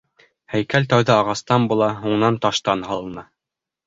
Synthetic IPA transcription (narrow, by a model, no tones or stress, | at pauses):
hæjkælt̪æwðɑɑʁɑst̪ɑmbulˠɑɦuɴnɑnt̪ɑʃt̪ɑnhɑlˠɤ̆nɑ